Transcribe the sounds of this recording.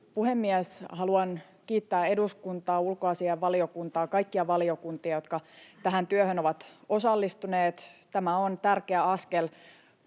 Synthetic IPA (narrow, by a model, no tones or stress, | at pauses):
puhemːiɛshɑluɑn | kiːt̪ːæːe̞duskunt̪ɑːulkoɑsiɑʋɑliokunt̪ɑːkɑikːiɑʋɑliokunt̪iɑjo̞t̪kɑt̪æɦænt̪yøhønoʋɑt̪osɑlːist̪uneːt̪t̪æmæont̪ærkeæɑskel